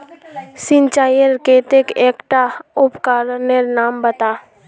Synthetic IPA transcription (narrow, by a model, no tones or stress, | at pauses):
sɪ̃nt͡ʃaːjəɾkeːt̪ekeːkʈaʊpkaːɾneɾnaːmbət̪aː